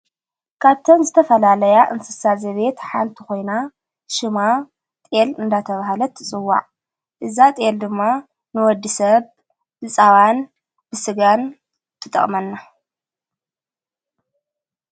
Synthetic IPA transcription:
kʰaβt̪ʰɐnzɨt̪ʰɐfɐlalɐjaʔɨnsɨsazɐβe̞t̪ħa̰nt̪ʰiko̞jna | ʃɨma | t̪ʼelɨnd̪at̪ʰɐβahalɐt̪ʰːɨt͡sʼɨwːa̰ʕ | ʔɨzat̪ʼeld̪ɨmːa | nɨwɔd̪ːisɐβ | ʔɨt͡sʼawan | bɨsɨɡan | t̪ʰɨt̪ʼɐ̰χʼmɐnːa

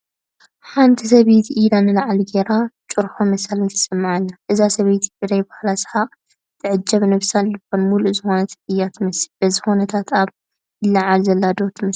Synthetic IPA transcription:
ħant̪ʰis̬ɐβejt̪ʰiʔid̪anɨlaʕaliɡeɾat͡ʃʼuɾħomɐsalɨnt̪ʰɐ̥sɨmːaʕanːaʔɨzasɐβejt̪ʰi̥iɾajbahlasɨ̥ħa | t̪ʰɨʕɨd͡ʒːɐβnɨβsanlɨkːonmuluzɨxo̞nɐt̪ʰʔɨjːat̪mɐsib̥ɐzixonɐt̪ʰat̪ʰaβ | lɐʕalzɐlːad̪ot̪ʰmɐs

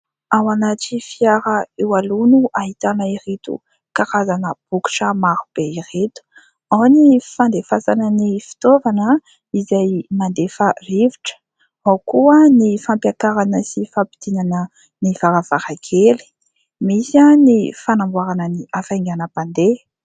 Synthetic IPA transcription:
awanaʈ͡ʂifiaɾaewalunuʔaɦit̪anəiɾit̪ṵ | kaɾazanəb̥uku̥ʈ͡ʂəmaɾub̥eiret̪u̥ | awnifand̪efasanənifi̥t̪ovanə | izajmand̪efareviʈ͡ʂə̥ | awkuənifampjakaɾanəsifapi̥d̪̥inanə | nivaɾav̥aɾakʰeli̥ | misanifanambwaɾanəniʔafajŋɡanəpand̪e

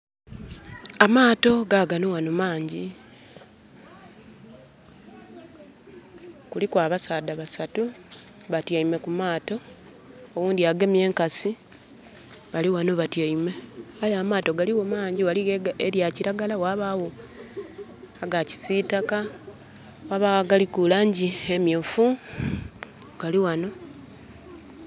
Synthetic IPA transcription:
amaːto̞ɡaɡanowanomaːɲɟi | kulikwaːβasaːdaβasatu | βatjaime̞kumaːto̞ː | wuːndiaɡe̞mje̞ːŋkasi | βaliwano̞βatjaime̞ajamaːto̞ɡaliwomaːɲɟiwalieɾjaciɾaɡalawaβawo̞ | aɡaci̥sitaka | waβawaɡalikulaɲɟiemjofu | ɡ̥aliwano̞

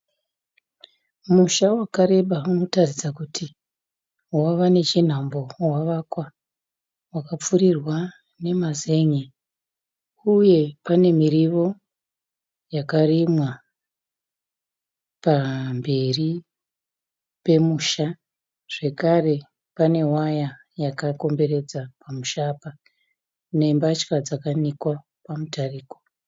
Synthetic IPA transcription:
muʃawakaɾe̞ɓauno̞tarid͡zakutʰi | waʋane̞t͡ʃin̤ambo̞waʋakwa | wakap͡fuɾirwa | ne̞maze̞ɲe | uje̞pane̞miɾiʋo̞ | jakarimwa | pambe̞ri | pe̞muːʃa | ʐ̥e̞kare̞ | pane̞waja | jakako̞mbe̞re̞d͡zapamuʃaːpa | ne̞mbat͡ʃkad͡zakanikwa | pamutariːko̥

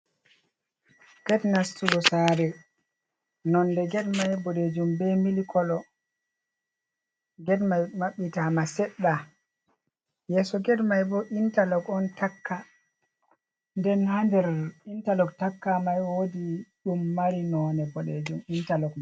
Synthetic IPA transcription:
ɡ̥ɛdnastuɡɔsaːɾɛ | nɔndɛɡɛdmajbɔɗed͡ʒumbɛmilikʰɔlɔ | ɡɛdmajmaɓːitamasɛɗːa | jɛːsɔɡɛdmajbɔʔintalɔkɔntʰakːa | ndɛnhandɛɾintalɔktakːamajwodiɗumːaɾinɔnɛbɔɗed͡ʒumintalɔkma

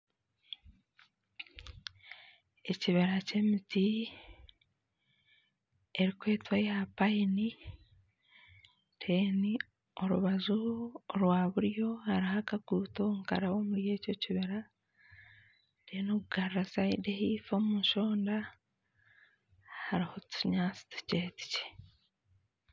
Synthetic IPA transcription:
e̞ciβeɾace̞miti | eɾikwe̞ːtwajapaini | tʰeni | oɾuβazuɾwaːβuɾjo̞haɾihakaɡuːtoŋka̰ɾawo̞muɾje̞ːco̞ciβeɾa | teːnoɡuɡaɾɾasaidehifo̞muʃo̞ːnda | haɾiho̞tuɲaːt͡si̥tu̥ce̞ːti̥ce̥

